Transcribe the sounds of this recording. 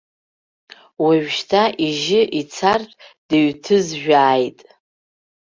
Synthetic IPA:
waʒᶣʃtʰaʔiʒɪʔit͡sʰartʼd̥ɨɥtʰɨzʒᶣaːjtʼ

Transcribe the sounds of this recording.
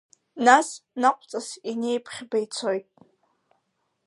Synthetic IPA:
nasnaqʷʼt͡sʼasine̞jpʰχʲbajt͡sʰo̞jtʼ

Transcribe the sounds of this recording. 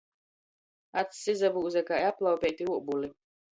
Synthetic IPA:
at̪sːizabuːzʲɛkaːjaplˠawpʲɛːt̪iuɔbuli

